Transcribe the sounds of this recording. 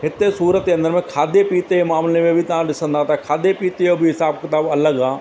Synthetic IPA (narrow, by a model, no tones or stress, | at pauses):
ɦɪt̪ːesuːɾət̪keɐ̃nd̪əɾmẽkʰaːd̪epiːt̪eemaːmlemẽbʱit̪ɐãɖ̪ɪsə̃nd̪aːt̪aɦɛkʰaːd̪epiːt̪ejobʱiɦɪsaːb̚kɪt̪aːbɐləɡaː